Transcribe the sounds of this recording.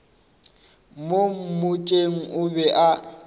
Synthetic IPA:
mom̩mʊt͡ʃʼeŋ̩ʔʊbɛʔa

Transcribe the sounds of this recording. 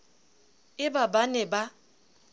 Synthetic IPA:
ɪbabanɛba

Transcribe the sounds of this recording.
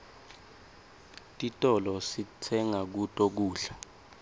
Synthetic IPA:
tʼitʼɔlɔsit͡sʰɛŋak̬utʼok̬uːɬḁ

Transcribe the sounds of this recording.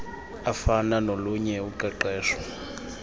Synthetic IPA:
afananoluɲɛuǃɛǃɛːʂwɔ

